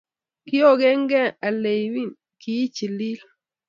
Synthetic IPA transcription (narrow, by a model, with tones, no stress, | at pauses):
ki˦o˦˨ɡɛ˦ŋɡɛ˦a˨le˨jwi˦n | ki˦t͡ʃi˨li˦l